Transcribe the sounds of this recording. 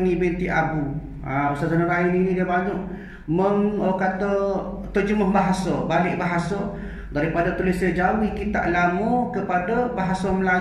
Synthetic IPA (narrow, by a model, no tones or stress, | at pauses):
nibint̪iʔabu | a̰pəsazanəɾaininĩdiəbaɲɔʔ | məŋəkat̪ə | t̪əd͡ʒəmahbaɦasəbalɪʔbaɦasə | daɾipadat̪ulisəd͡ʒauihkit̪a̰ʔlamɔkəpadəbaɦasəməla